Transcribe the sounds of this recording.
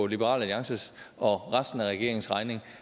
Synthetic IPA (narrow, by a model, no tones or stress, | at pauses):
ɒ̽lib̥əʁɑ̰læliɑ̈ŋsəɒ̽ʁɑsd̥n̩æʁɛɡ̥e̝̰ɐe̝ŋsʁɑ̈ɪne̝ŋ